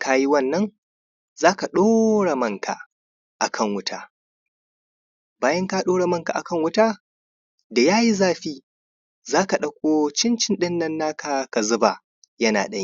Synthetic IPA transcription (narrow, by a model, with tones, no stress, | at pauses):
ka˦ji˦wɐ˦˨nːɐ˦ŋ | zaː˦ka˨ɗoː˦ɽa˨mɐ˦ŋkʰa̰˨ | ʔa˨kʰɐ˦˨ŋwʊ˦tʰaː˦ | baː˦jɐ˦ŋka˦ɗoː˦ɽa˨mɐ˦˨ŋka̰˨ʔa˨kɐ˦ŋwʊ˦taː˦ | da˨jaː˦ji˦zaː˦ɸiː˦ | zaː˦ka˨ɗɐ˨kʷʼoː˦t͡ʃɪ˦nt͡ʃɪ˦nɗɪ˦nːɐ˨nːaː˦kʰa˨ka˨zʊ˦ba̰˨ | jɐ˦na̰ː˨ɗɐ˦ɲi˦˨